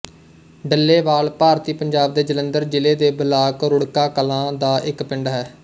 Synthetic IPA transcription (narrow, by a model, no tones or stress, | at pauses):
ɖəlːeːʋaːlpaːɾt̪iːpəɲd͡ʒaːb̚d̪eːd͡ʒələnd̪əɾd͡ʒɪleːd̪eːbəlaːkɾʊɽkaːkəlãːd̪aːʔɪkpɪɳɖɦɛː